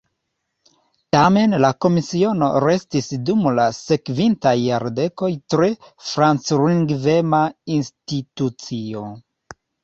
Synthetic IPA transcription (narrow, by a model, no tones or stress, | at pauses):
tame̞nlako̞misio̞no̞̰ɾe̞stisdumlase̞kvintajːaɾde̞ko̞jtɾe̞fɾant͡sɾiŋɡve̞mainstitut͡sio̞